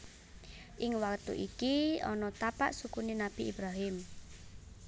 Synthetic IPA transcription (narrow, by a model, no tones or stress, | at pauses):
ʔɪŋwakt̪ṵʔikiɔ̰nɔt̪apa̰ʔsukuninab̥iibɾaɦɪm